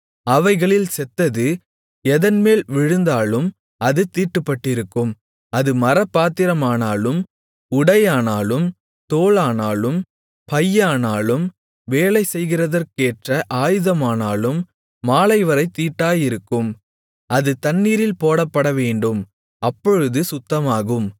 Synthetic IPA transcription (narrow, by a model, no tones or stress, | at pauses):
ɐʋɐɪɣɐɭɪlsɛt̪ːɐðɯ | ɛðɐnmeːlʋɪɻɯnd̪aːlɯm | ɐðɯt̪iːʈːɯpːɐʈːɪɾɯkːɯm | ɐðɯmɐɾɐpːaːt̪ɪɾɐmaːnaːlɯm | ʊɽɐjaːnaːlɯm | t̪oːlaːnaːlɯm | pɐjːaːnaːlɯm | ʋeːlɐɪsɛjɣɪrɐðɐrkeːʈrɐʔaːjɯðɐmaːnaːlɯmː | aːlɐɪʋɐɾɐɪt̪ːiːʈːaːjɪɾɯkːɯm | ɐðɯt̪ɐnːiːɾɪlpoːɽɐpːɐɽɐʋeːɳɖɯm | ɐpːɔɻɯðɯsʊt̪ːɐmaːɣɯm